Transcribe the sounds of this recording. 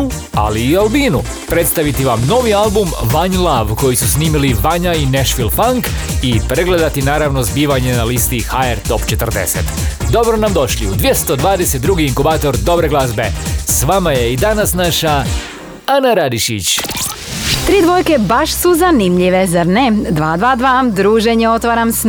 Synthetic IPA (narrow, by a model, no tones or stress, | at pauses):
a̰liːalbiːnu | pɾe̞t̪st̪aʋit̪iʋamno̞ʋialbumʋaɲlˠaʋko̞jisusniːmiliʋaɲaineʃfilfaŋkipɾe̞ɡle̞d̪at̪inaːɾaʋno̞zbiːʋaɲe̞nalist̪ixaeɾt̪o̞pt͡ʃe̞t̪r̩d̪ḛsḛt̪d̪o̞bɾonamd̪o̞ʃliud̪ʋje̞st̪o̞d̪ʋaːd̪eset̪̚ːɾuɡiiŋkubaːt̪o̞ɾd̪o̞bɾeɡlazbesʋamajeid̪anasnaʃa | anaɾad̪iʃḭt͡ɕ | t̪ɾiːd̪ʋo̞jkebaʃsuzanimʎiʋezaɾned̪ʋaːd̪ʋaːd̪ʋad̪ɾuːʒeɲeo̞t̪ʋaːɾams